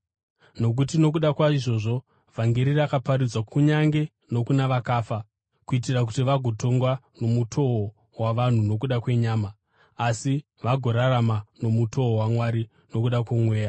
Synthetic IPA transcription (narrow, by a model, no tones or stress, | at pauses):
no̞k̬utino̞k̬uɗakwaiʐo̞ʐo̞ | vʱaŋɡe̞ɾirakapaɾid͡zwakuɲaŋɡe̞ | no̞kunaʋakaːfa | kuit̬irak̬utiʋaɡʱo̞to̞ŋɡwano̞mutʰo̞o | waʋan̤uno̞k̬uɗakwe̞ɲaːmaː | si | ʋaɡʱo̞ɾaramano̞muto̞owamwaɾi | no̞kuɗakwemwe̞ːja